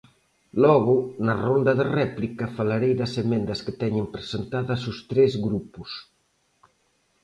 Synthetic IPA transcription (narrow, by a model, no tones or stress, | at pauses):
lɔɣʊnɐrond̪ɐðerɛplikɐfalaɾejðɐsemɛnd̪ɐsket̪ɛɲempɾesent̪aðɐsust̪ɾɛzɣɾupus